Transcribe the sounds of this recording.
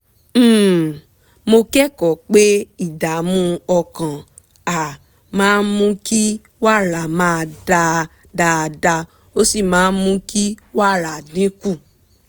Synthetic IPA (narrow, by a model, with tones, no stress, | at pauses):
mo˧kɛ˦kɔ˨k͡pe˦i˦˨da˨mũ˦ɔ˧kã˨ | a˨ | mãː˦nmũ˦ki˦ | wa˦˨ɾa˨mãː˦˧da˧ | da˧da˧ | o˦si˦˨mãː˨˦n˦mũ˦ki˦wa˦˨ɾa˨dĩ˨˦ku˦˨